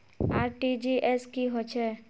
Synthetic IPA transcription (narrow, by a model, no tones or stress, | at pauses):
aːɾʈid͡ʒiʔɛskiɦot͡ʃʰɛ